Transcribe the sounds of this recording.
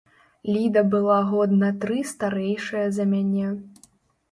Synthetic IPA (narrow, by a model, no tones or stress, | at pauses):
lʲid̪ɐbɨlˠaɣɔd̪nɐt̪ɾɨst̪aɾɛjʂɐjɐzɐmʲanʲɛ